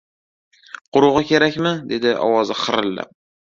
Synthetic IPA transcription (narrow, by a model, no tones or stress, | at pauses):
qʰʊɾʊʁɨkʲe̞ɾakʲmɪd̪e̞d̪ɪʔɒ̰wɒzɪχɨɾɪlːa̰p̚